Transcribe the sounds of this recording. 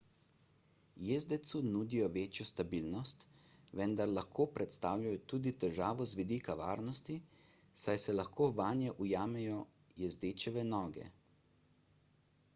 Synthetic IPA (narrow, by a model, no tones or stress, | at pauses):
jeːzd̪ɛt̪sunuːd̪ijɔʋeːt͡ʃjɔst̪abiːlnɔst̪ʋɛnd̪aɾlaxkʰoːpɾɛt̪st̪aːwlʲjajɔt̪uːd̪it̪ɛɾʒaːʋɔzʋid̪iːkaʋa̰ːɾnɔst̪i | sajsɛlaxkoːʋaːnjɛʔujaːmɛjɔ | jɛzd̪eːt͡ʃɛʋɛnɔːɡɛ̰